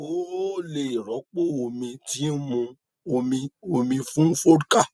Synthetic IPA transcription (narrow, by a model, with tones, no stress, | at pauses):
o˨˦le˧i˨ɾɔ˨˦k͡po˦˨o˧mĩ˧ti˨˦n̩˦mũ˧ | o˧mĩ˧o˧mĩ˧fũ˦fo˦ɾka˦˨